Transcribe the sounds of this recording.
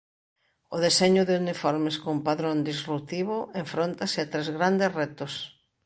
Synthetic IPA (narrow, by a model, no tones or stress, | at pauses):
oðeseɲʊðɪunifoɾmeskompaðɾond̪isrut̪iβoeɱfɾont̪asɪat̪ɾezɣɾand̪esret̪os